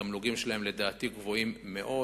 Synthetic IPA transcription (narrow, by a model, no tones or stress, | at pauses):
amluɡimʃelahe̞mle̞d̪aːt̪iɡvo̞imːe̞ʔo̞